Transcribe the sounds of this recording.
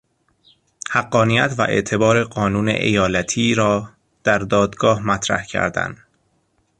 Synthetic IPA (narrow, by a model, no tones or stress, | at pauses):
hæɡːɒːnijæt̪væ̰ʔe̞̰ʔt̪ʰe̞bɒːɾe̞ɢɒːnuːnḛʔḛjɒːlæt̪ʰiːɾɒː | d̪̥æɾd̪ɒːd̪ɡɒːhmæt̪ʰɾæ̰hcʰæ̰ɾd̪æ̰nd̪